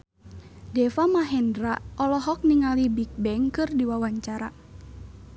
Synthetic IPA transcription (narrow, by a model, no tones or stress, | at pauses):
dɛfamaɦɛndɾaʔɔlɔɦɔk̚niŋalibik̚bɛŋkɨrdiwawaɲt͡ʃaɾa